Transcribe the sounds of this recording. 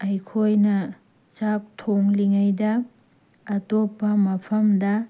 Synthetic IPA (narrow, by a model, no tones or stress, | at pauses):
ɐjkʰojnɐ | t͡ʃak̚tʰoŋliŋajdɐː | topːɐmɐpʰɐmdɐ